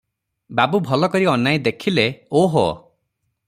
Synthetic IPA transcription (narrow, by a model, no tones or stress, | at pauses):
babubʱɔlɔkɔɾiɔnːajd̪ekʰileoɦɔ̰